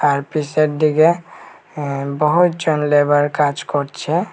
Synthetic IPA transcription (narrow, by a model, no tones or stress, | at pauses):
aɾpiseʈdiɡe | bəɦut̪d͡ʒɔnlebəɾkat͡ʃkɔɾt͡ʃʰɛ